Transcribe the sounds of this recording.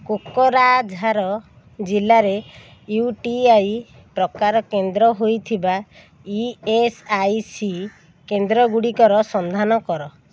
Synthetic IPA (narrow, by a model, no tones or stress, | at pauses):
kokɔɾad͡ʒʱaɾɔ | d͡ʒilaɾe | juʈiaj | pɾɔkaɾɔkend̪ɾɔɦojt̪ʰiba | iesajsi | kend̪ɾɔɡuɽikɔɾɔsɔnd̪ʱanɔkɔɾɔ